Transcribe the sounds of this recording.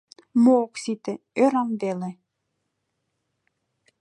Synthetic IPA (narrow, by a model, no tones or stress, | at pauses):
moːksit̪ĕ | øɾɑmvelĕ